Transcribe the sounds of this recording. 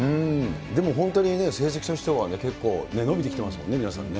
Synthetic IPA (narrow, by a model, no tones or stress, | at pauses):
ɯ̃d̪e̞mo̞ɦõ̞nt̪oɲ̟ine̞se̞ːs̬eki̥t̪oçi̥t̪o̞βane̞ke̞kːo̞ːne̞no̞bʲit̪eki̥t̪e̞masɨmo̞nːe̞mʲinasã̰nːe̞